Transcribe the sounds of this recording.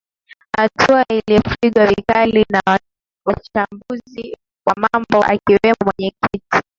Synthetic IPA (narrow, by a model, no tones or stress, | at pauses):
hatʰuailiɔfiɠwavikalinaa | wat͡ʃambuzi | wamambɔʔa̰kiwɛmɔmwɛɲɛkiti̥